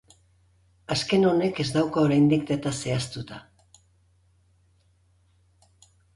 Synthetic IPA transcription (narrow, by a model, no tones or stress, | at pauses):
aske̞no̞ne̞ke̞zd̪awkaoɾajnd̪ik̚d̪et̪ase̞ast̪ut̪a